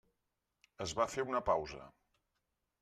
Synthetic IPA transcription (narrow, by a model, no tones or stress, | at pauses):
əzβafeunəpawzə̰